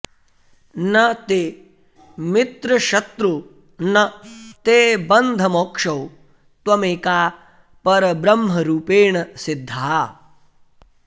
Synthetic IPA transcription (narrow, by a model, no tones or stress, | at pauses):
nɐt̪eː | mit̪ɾɐʃɐt̪ɾu | nɐt̪eːbɐnd̪ʱɐmoːkʂɐw | t̪wɐmeːkaː | pɐɾɐbɾɐmɦɐɾuːpeːɳɐsɪd̪ʱːɐɦa